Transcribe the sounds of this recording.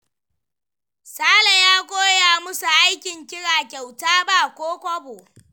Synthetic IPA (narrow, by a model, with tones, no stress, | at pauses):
saː˦la˨jaː˦kʷʼoː˦jaː˨mʊ˦su˨ʔa˦jkʲɪ˨ŋkʲɪ˦ɽaː˨kʲa˨wtaː˦ba˦˨kʷoː˦kʷɐ˦boː˨